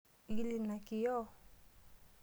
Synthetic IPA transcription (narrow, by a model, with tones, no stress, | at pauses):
i˦li˨na˨ki˨jɔ˦